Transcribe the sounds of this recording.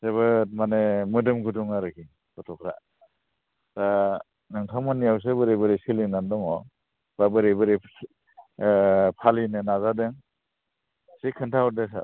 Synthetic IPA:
seβɯt̚manemɯdɯmɡuduŋaɾɯkʰi | kɔtʰɔkʰɾa | ta | nɯŋtʰamɔnːijaws̬ebɯɾebɯɾisilinandɔŋɔ | b̥abɯɾebɯɾi | pʰalinɯnazadeŋ | sikʰɯntʰawɔɾdesa̰

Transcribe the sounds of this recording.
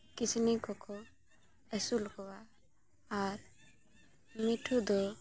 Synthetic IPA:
kisʰinikɔkʰɔ | ɛsulkɔwaː | ɾ | miʈʰud̪ɔ

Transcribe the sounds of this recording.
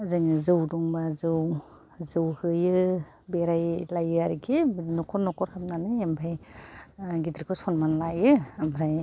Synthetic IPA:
azɯŋɯzɯwdɔŋbazɯw | zɯwhɯjɯ | beɾajlajɯaɾiɡʰinɔkʰɔɾnɔkʰɔɾhap̚nanɯjampʰaj | ɡidɾikʰɯsɔnmanlajɯamʰɾaj

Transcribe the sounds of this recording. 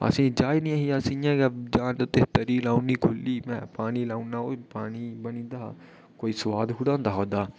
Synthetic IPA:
ə̰sĩːd͡ʒaːinĩaɦiasĩjãːɡd͡ʒaːnd̪ot̪et̪əɾiːlaːuniːkʰʊlːiːmɛ̰̃ːpaːniːlaːũnaoːpaːniːbənĩːnd̪aː | koːisʋaːd̪ɦʊɽãːnd̪aːɦoːd̪aː

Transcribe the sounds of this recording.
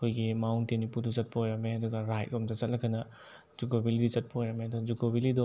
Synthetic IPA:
ɐkʰojɡimawntenipuduzɐt̚pɐojameɐduɡɐɾajt̚omtɐt͡ʃɐt̚lɐkʰɐnɐ | zukobilidit͡ʃɐt̚pɐojameɐduɡɐzukobilidɔ

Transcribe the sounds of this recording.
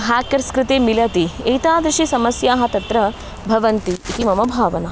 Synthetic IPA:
ɦaːkɐɾskɾɪt̪eːmilɐt̪ieːt̪aːd̪ɾɪʂisɐmɐsjaːɦɐt̪ɐt̪ɾɐ | bʱɐʋɐnt̪iːk̪imɐmɐbʱaːʋɐnɐ

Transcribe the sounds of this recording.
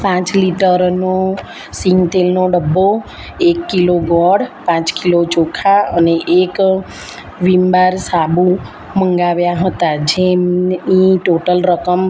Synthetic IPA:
pãt͡ʃliʈəɾno | siŋɡt̪elnoɖəbːo | ekːiloɡɔɽpãt͡ʃkilot͡ʃokʰaəneʔek | ʋimbaɾsabu | məŋɡaʋjaɦət̪ad͡ʒeniʈoʈəlɾəkəm

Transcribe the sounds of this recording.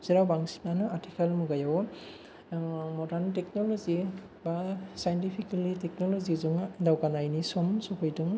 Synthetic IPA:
z̥eɾawbaŋsi̥nanɯatʰikʰalmuɡajaw | mɔdaɾnteknɔlɔzi | basajntipʰikalitek̚nɔlɔzizuŋdawɡanajnisɔmsɔpʰɔjtɯŋ

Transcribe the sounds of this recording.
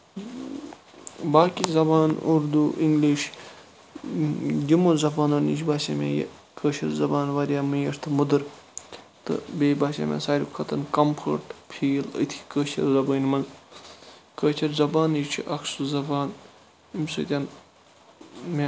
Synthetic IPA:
baːkizɐbaːnuɾd̪uʔiŋɡliʃ | d̪imozɐbaːnoːnḭʃbaːsa̰mʲa̰j̰ | kəːʃʰɐɾzɐbaːnʋɐɾijaːmijɐɾt̪ʰɨmud̪ɨɾ | t̪ɨ̰beːbaːsʲa̰ːmʲa̰saːɾʲipkʰɐt̪ɐnkɐmpfʰə̰ɾʈpʰiːlə̰t̪ʰi̥kəːt͡ʃʰɐ̰ɾzɐbəːnmɐn | kəːt͡ʃʰɐɾzɐbaːnit͡ʃʰḭʔɐksuzɐbaːn | imsɨ̰ːt̪ʲan | mʲa

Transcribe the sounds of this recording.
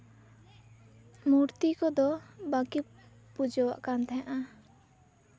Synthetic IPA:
muɾt̪ikɔd̪ɔbaki | pud͡ʒɔwa̰ʔkant̪ʰɛãʔa

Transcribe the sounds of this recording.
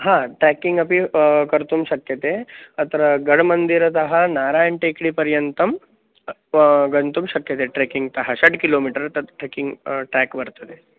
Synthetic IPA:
ɦãːʈɾeːkiŋɡɐpikɐɾt̪umʃɐkjɐt̪eːɐt̪ɐɾɐɡɐɽmɐnd̪iɾɐt̪ɐɦɐnaːɾaːjɐɳʈekɽipɐɾjɐnt̪ɐm | ɡɐnt̪umʃɐkjɐt̪eːʈɾeːkiŋɡt̪ɐɦɐʃɐɖkiloːmiːʈɐɾɐt̪ɐʈɾeːkiŋɡʈɾæːkbɐɾt̪ɐd̪e

